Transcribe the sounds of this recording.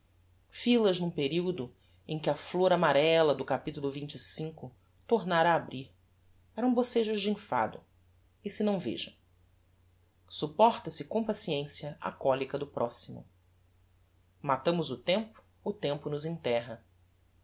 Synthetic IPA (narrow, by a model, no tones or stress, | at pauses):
filɐznũpeɾiwd̪ʊ | ẽkɪɐfloɾamaɾɛlɐd̪ʊkapit̪ulʊvĩnt͡ʃisĩkʊ | t̪oɾnaɾɐːbɾiɾ | ɛɾɐ̃boseʒʊʒd͡ʒɪĩfa̰d̪ʊ̰ | ɪsɪnɐ̃w̃vḛʒɐ̰̃w̃ | supɔχt̪ɐsɪkõpasiẽsjɐʔa̰kɔlikɐd̪ʊpɾʔɔsimʊ̰ | mat̪ɐ̃mʊzʊt̪ẽmpʊ̥ːt̪ẽmpʊnʊzẽt̪ɛɦɐ